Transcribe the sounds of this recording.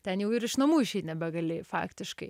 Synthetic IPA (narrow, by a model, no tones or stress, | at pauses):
t̪ʲɛnjɛʊɪɾɪʃnɐmuːɪʃʲɛɪt̪ʲnʲɛbʲɛɡɐlʲeːfɑ̰ːkt̪ʲɪʃkɐɪ